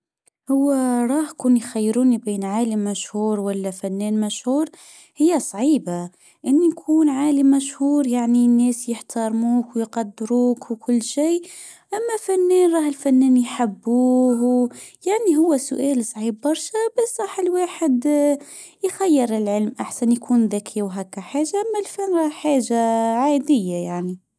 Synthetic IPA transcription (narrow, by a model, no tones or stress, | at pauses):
hʊwːæɾˤɑːhkuːnjxajːɾuːnibiːnʕaːləmːæʃhuːɾˤwælːæfænːɛːnmæʃhuːɾ | hɪjːæsˤʕiːba | ʔɪnːijkʰuːnʕaːlimːæʃhuːɾˤjaʕninːɛːsjəħt̪ʰɑɾˤmuːkwjqɑd̪ːɾuːkwkʰʊlːʃiː | ʔæmːæfænːɛːnɾˤɑːhəlfænːɛːnjħabːuːhwjaʕniɦʊwːæsʊ̰ʔæːlsˤʕiːbːɑɾˤʃabæsɾˤɑːħəlwaːħəd̪ | jxæjːəɾɪlʕəlmʔaħsænjkʰuːnðækʰiwɦækːæħaːʒaʔæmːælfænɾˤɑhħaːʒaʕad̪əjːajaʕni